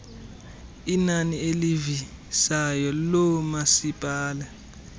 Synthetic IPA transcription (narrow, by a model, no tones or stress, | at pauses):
inanielivisajɔlɔmasipʼaːla